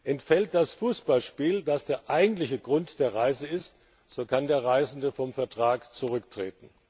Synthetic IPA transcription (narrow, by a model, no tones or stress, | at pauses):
ʔɛntfɛlt̚d̥asfuːsb̥alʃpiːldasd̥eːɐʔaɪɡŋ̩tlɪçəɡʁʊntd̥eːɐʁaɪzəɪst | z̥oːkʰandeːɐʁaɪzn̩dəfɔmfɛɐtʁ̥aːkt͡suʁ̞ʏktʁ̥ḛːtn̩